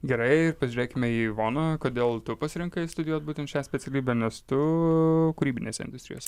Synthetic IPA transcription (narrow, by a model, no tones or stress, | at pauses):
ɡʲɛɾɐɪɪɾpɐzʒʲyɾʲeːkʲɪmʲɛiːʋoːnɐkoːd̪ʲeːlˠt̪ʊpɐsʲɪɾʲɪŋkɐɪst̪ʊd̪ʲɪjuːt̪̚buːt̪ʲɛnt̪ʃʲæːsʲpʲɛt̪sʲɛlʲiːbʲɛnʲɛst̪ʊ | kʊɾʲiːbʲɪnʲeːsʲɛɪ̰nd̪ʊsʲt̪ɾʲɪjoːsʲɛ